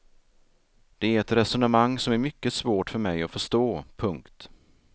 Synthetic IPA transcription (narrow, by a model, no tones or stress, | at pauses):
d̪̥ɛæɾɛt̪ɾɛsʊnəmaŋːsɔmæɾmʏkːəsvoːʈfœɾmɛjɔfœʂt̪oːpʰɵŋkt̪